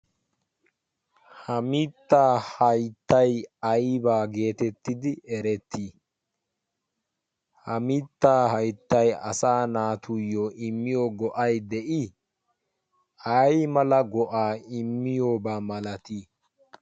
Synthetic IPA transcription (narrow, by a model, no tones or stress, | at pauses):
hɐmit̪ːaːhɐjt̪ːɐjɐjbaːɡe̞ːt̪ɛt̪ːɪd̪ɪɛɾɛt̪ʰːiː | hɐmɪt̪ːaːhɐjt̪ːɐjɐ̰saːnaːt̪ʰujːoʔɪmːɪjoɡɔʔɐjd̪ɛʔɪ | ɐjmɐlɐɡɔʔaːɪmːɪjoːbaːmɐlɐt̪iː